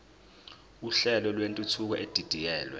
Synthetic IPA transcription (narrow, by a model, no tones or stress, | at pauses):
uɬɛlɔlwentʼutʰuk̬ɔʔed̥ʱid̥ʱijɛːlwɛ̰